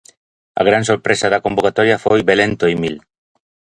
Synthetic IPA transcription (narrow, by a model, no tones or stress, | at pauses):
a̰ɣ̞ɾansoɾpɾesaðakombokat̪ɔɾjafojbelent̪oimil